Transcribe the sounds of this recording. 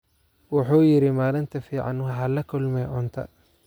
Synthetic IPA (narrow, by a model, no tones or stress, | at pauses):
wʊħuːjɪɾɪmaːlɪnt̪ʰɐfiːʕɑ̰nwɐɦɐlɐkʰʊlmɛːʕʊnt̪ʰɐ̰